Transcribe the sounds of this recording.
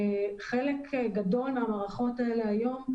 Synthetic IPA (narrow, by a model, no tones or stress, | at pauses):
χe̞lekʰɡado̞limamaʁaχo̞taele̞ajo̞m